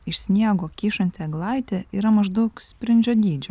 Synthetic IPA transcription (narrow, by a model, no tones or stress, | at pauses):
ɪʃsʲnʲiɛɡoːkʲiːʃɐnʲt̪ʲeɡlˠɐɪt̪ʲeiːɾɐmɐʒd̪ɐʊksʲpʲɾʲɪnʲd͡ʒʲoːd̪ʲiːd͡ʒʲʊ